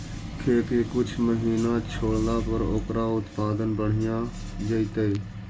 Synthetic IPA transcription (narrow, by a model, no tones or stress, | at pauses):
kʰeːkeːkʊt͡ʃʰməɦiːnãːt͡ʃʰoːɽlaːpəɾoːkɾaːʊt̪paːd̪ənbəɳ̤ɪjãː | d͡ʒəit̪eeː